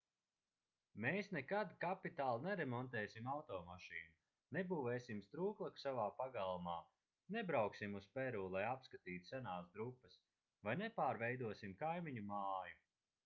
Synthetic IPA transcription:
meːsnɛkad̪kapit̪aːlˠnɛɾɛmɔnt̪ɛːsimawt̪ɔːmaʃiːnu | nɛbuːvɛːsimst̪ɾuːklˠaksavaːpaɡalˠmaː | nɛbɾawksimuspɛɾuːlˠajapskat̪iːt̪u̥sɛnaːsd̪ɾupːɐs | vajnɛpaːɾvɛjd̪uɔsimkajmiɲumaːju

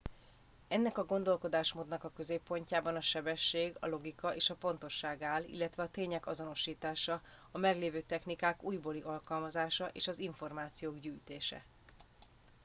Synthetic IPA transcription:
ɛnːɛkɒɡo̞nd̪o̞lko̞d̪aːʃmoːd̪nɒkɒkø̞zeːpːo̞ɲcaːbɒnɒʃɛbɛʃːeːɡɒ̰lo̞ɡikɒʔeːʃɒpo̞nt̪o̞ʃːaːɡaːlḭlːɛt̪ʋɛɒt̪eːɲɛkɒzo̞no̞ʃiːt̪aːʃɒ | ɒmɛɡleːvøːt̪ɛxnikaːkuːjbo̞liʔɒlkɒlmɒzaːʃɒʔḛːʃɒziɱfo̞rmaːt̪sijoːɡɟyːjt̪eːʃɛ̰

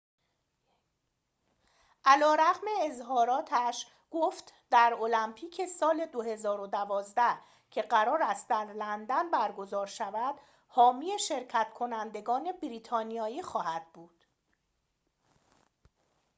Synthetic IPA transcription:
ʔælɒːɾæɣme̞ːzɦɒːɾɒːt̪ʰæʃ | ɡ̥oft̪d̪̥æɾo̞læmpʰiːcʰe̞sɒːle̞d̪oɦe̞zɒːɾo̞d̪ævɒːzd̪æh | cʰe̞ɢæɾɒːɾæst̪d̪̥æɾlænd̪ænbæɾɡo̞zɒːɾʃævæd̪̥ | hɒːmijeʃe̞ɾcʰæt̪kʰo̞nænd̪e̞ɡɒːne̞bɾiːt̪ʰɒːnijɒːiːxɒːhæd̪̥̚buːd̪̥

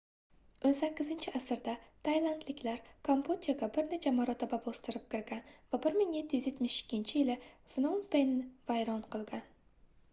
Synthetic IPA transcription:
onsakʲːɪzɪnt͡ʃʰɪasɪɾd̪at̪ʰajlˠant̪lɪkʲlaɾkʰompʰut̪ʲaɡʲabɪɾne̞t͡ʃʰamaɾɒt̪ʰababost̪ɪɾɪp̚kʲɪɾɡʲanvabɪɾmɪŋjet̪ʰːɪjyzje̞t̪mɪʃɪ̥kʲːɪnt͡ʃʰɪjɪlɪfnonfenvajɾɒnqʰɨlˠɡʲan

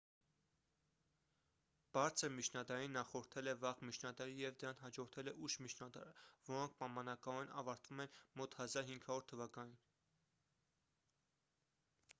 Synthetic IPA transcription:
b̥ɑɾt͡sʰəɾmit͡ʃʰnɑd̪ɑɾinːɑχɔɾt̪ʰɛlɛvɑʁmit͡ʃʰnɑd̪ɑɾijɛvd̪əɾɑnɦɑd͡ʒɔɾt̪ʰɛlɛʔuʃmit͡ʃʰnɑd̪ɑ̰ɾəvɔɾɔŋkʰpɑmɑnɑkɑɔɛnɑ̰vɑɾt̪vumɛnmɔt̪hɑzɑɾɦiŋkʰhɑvɔɾt̪ʰəvɑkɑnin

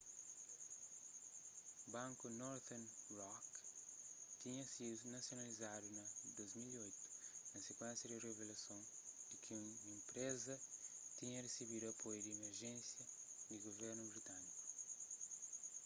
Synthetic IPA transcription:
bãŋkunɔɾt̪ɛnrɔk | t̪iɲɐsid̪unɐsjonalizad̪unɐd̪ojzmiliojt̪ʊ̥nɐsekwɛ̃nsjɐd̪ɪrevelɐsõn | ikʰɪ̃ | ẽmpɾezɐt̪iɲɐresiβid̪uɐpʰojud̪ɪemeɾʒẽnsjɐ | d̪ɪɡoveɾnubɾit̪aniku̥

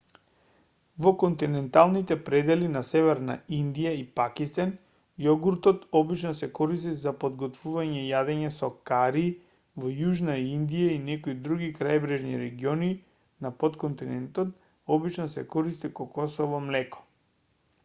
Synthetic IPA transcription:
vɔkont̪inɛnt̪alˠnit̪ɛpɾɛd̪ɛlinasɛvɛɾna̰ind̪ijaipakist̪an | jɔɡuɾt̪ɔt̪ɔbit͡ʃnɔsɛkɔɾist̪izapod̪ɡɔt̪vuvaɲɛjad̪ɛɲɛsɔkaɾi | vɔjuʒnaind̪ijainɛkoid̪ɾuɡikɾajbɾɛʒnḭɾɛɡiɔni | napot̪kɔnt̪inɛnt̪ɔt̪ | ɔbit͡ʃnɔsɛkɔɾist̪ikɔkɔsɔvɔmlɛkɔ̥

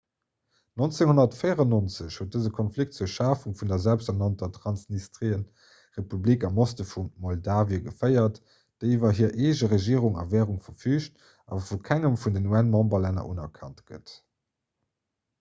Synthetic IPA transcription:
nont͡seŋhonɐtfəɪjəʁɑnont͡səɕhuːt̚dəzəkʰɔnflik̚tt͡suəɐʃaːfuŋfundɐzælpstanɑntɐtʁɑnsnistʁiən | ʁepublikɑmostəfunmɔldaːviəɡəfəɪɐt | d̥əɪivɐɦiːɐʔeːʑəʁeʒiːəʁuŋɑ̰vɛːʁuŋfɐfyːɕt | ɑ̰fukʰæŋəmfundənuænmɑmbɐlænɐ̰ʔunɐkʰɑ̰ntɡ̥ə̰t

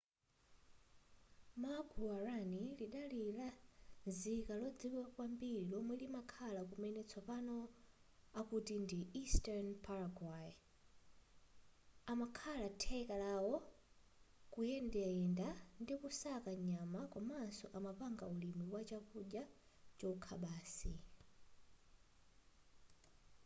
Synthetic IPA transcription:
maɡuaɾaniliɗalilazikalɔd͡ziwɛkwambiɾilɔmwɛlimakʰalakumɛnɛt͡sʰɔpanɔ | akutindiistɛɹnpʰaɾaɡwai | amakʰalatʰɛkalawɔ | kujɛndɛɛndandikusakaɲamakwamansɔʔamapaŋɡaulimiwat͡ʃakuʄja | t͡ʃɔkʰaɓaːsi

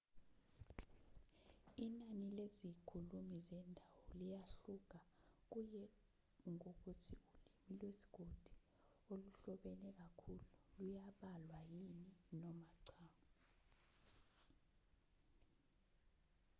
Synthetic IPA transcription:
inanilezikʰulumizɛndʱawɔlijaɬuk̬ak̬ujɛ | ŋok̬utʰiulimilwesi̥ɡ̥ʱod̥ʱi̥ | oluɬɔɓɛnɛk̬akʰululujaɓalwajininɔmaǀʰaːŋɔ

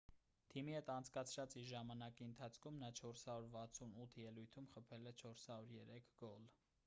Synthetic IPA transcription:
t̪ʰimihɛt̪ɑnt͡sʰkɑt͡sʰɾɑt͡siɾʒɑmɑnɑkiənt̪ʰɑt͡sʰkʰumnɑt͡ʃʰɔɾshɑɾuɾvɑt͡sʰunut̪ʰjɛlujt̪ʰumχəpʰɛlɛt͡ʃʰɔɾshɑɾuɾjɛɾɛkʰɡɔl

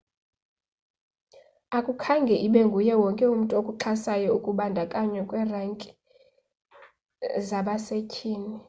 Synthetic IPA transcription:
akʼukʰaŋɡʱɛʔiɓɛŋɡʱujɛwɔŋkʼɛum̩tʼokʼuǁʰasajɔukʼuɓandʱakʼaɲwɛkʼwɛraŋkʼi̥ | zaɓasecʰʼiːni

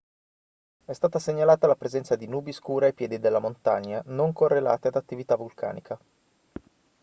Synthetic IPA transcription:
ɛst̪aːt̪aseɲːalaːt̪alapɾezɛnt̪sad̪inuːbiskuːɾeajpjɛːd̪id̪elːamont̪aɲːanoŋkorːela̰ːt̪ead̪at̪ːivit̪avulkʰa̰ːnikʰa

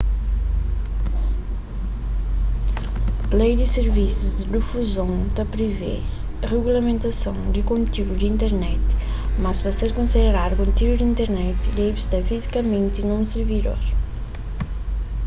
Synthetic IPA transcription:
lejd̪ɪsɪɾvisuzd̪ɪd̪ifuzõnt̪ɐpɾivḛ | ʁeɣulɐmẽnt̪ɐsɐ̃w̃d̪ɪkõnt̪iɾud̪ĩnt̪eɾnɛt̪ | mɐspɐseɾkõnsid̪eɾaɾkõnt̪iɾud̪ĩnt̪eɾnɛt̪lejbst̪ɐfizikɐmẽnt̪inɐ̃w̃siɾvid̪o̰ɾ

